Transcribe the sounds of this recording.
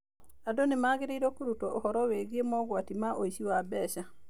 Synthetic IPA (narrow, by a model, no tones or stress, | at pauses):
adonemaːɣeɾeiɾɔkuɾutɔʔohɔɾɔweɣiemɔɣwatimaʔoiʃiwabɛʃa